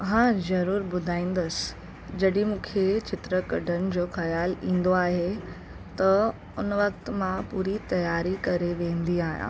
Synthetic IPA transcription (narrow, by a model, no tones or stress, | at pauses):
ɦãːzɐɾuːɾbʊd̪ʱaːĩːn̆d̪əs | d͡ʑɐɗĩmũːkʰet͡ɕɪt̪ɾəkɐɖənɪ̆d͡ʑoːxɐjaːlḭ̃ːn̆d̪oaːɦe | t̪ɐ | ʊnʋɐk̚t̪mãpuːɾit̪ɐjaːɾikɐɾeʋẽːn̆d̪iaːɦjã̰ː